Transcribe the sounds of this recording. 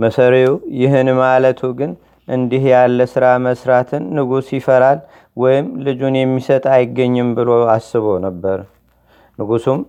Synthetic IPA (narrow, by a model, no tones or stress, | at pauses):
məsəɾeujɪɦɨnmalət̪ʰuɡɨn | ʔɨnd̪ihjalːəsɨɾaməsɾat̪ʰɨnːɨɡusjɪfəɾal | wɔjɪmlɨd͡ʒunjɛmːisət̪ʼajɪɡːəɲːɨmbɨloasːɨβownəbːəɾ | nɨɡusum